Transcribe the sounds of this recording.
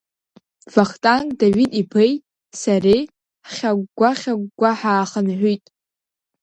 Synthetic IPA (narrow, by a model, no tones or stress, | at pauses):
vaχtʼankʼdaɥidʼipʰejt | sarej | χʲaɡɡʷaχʲaɡ̚ʷɡʷaħaːχənħʷutʼ